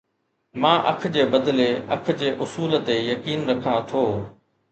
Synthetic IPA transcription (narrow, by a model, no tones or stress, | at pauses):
mãːʔɐ̰kʰd͡ʑeːbɐd̪leɐkʰd͡ʑeːʔʊsuːlt̪ejɐkiːnɾɐkʰãt̪ʰoː